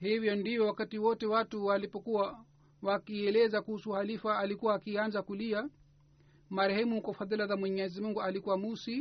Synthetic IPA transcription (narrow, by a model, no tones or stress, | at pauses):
hivjɔndivjɔwakatiwɔtɛwatuwalipɔkuwa | wakiɛlɛzakuhusuhalifaːlikuwaːkianzakulia | maɾɛhɛmuhukɔfaðilazamwɛɲɛzimuŋɡualikuwamusi